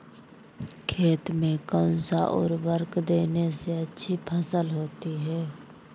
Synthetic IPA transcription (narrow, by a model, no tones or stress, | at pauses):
kʰeːt̪mẽkɔ̃ʊnsaʔɔ̰ːɾʋəɾkd̪eːneseɐtːʃʰipʰəsəlɦoːt̪iɦɛː